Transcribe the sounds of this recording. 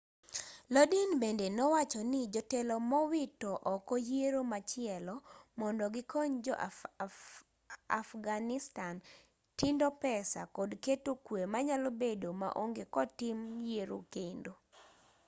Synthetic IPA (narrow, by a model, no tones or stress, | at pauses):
lɔdinbendenɔwat͡ʃɔnɪd͡ʒɔtelɔmɔwitɔʔɔkɔjeɾomat͡ʃɪɛlɔmɔndɔɡɪkɔɲd͡ʒɔʔ | a̰fɡanɪstan | tindɔpɛsa̰kɔdketokwemaɲalobedoma̰ʔoŋɡekɔtɪmjeɾo̰kendo